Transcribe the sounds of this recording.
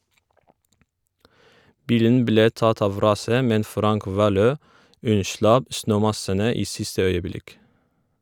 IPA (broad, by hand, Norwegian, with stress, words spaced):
ˈbiːlən ˈbleː ˈtɑt ˈɑʋ ˈɾɑːsə ˈmɛn ˈfɾɑŋk ˈʋɑːˌløː ˈʉnˌʃlɑp ˈsnøːˌmɑsənə ˈiː ˈsɪstə ˈœʏəˌblɪk